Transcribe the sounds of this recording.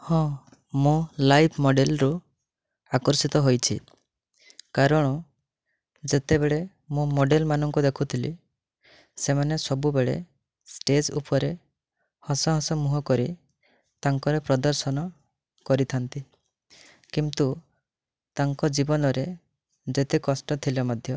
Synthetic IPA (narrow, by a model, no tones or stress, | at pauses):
hɔ̃ | mũlajpʰmoɖelɾu | akɔɾsit̪ɔɦojt͡ʃʰḭ | kaɾɔɽ̃ɔ | d͡ʒet̪ebeɭe | mũmoɖelmanɔŋkud̪ekʰut̪ʰilḭ | semanesɔbubeɭḛ | sʈed͡ʒṵpɔɾe | hɔsɔɦɔsɔmuɦɔkɔɾi | t̪aŋkɔɾepɾɔd̪ɔɾsɔnɔ | kɔɾit̪ʰant̪i | kint̪u | t̪aŋkɔd͡ʒibɔnɔɾe | d͡ʒet̪ekɔsʈɔt̪ʰilemɔd̪ʱjɔ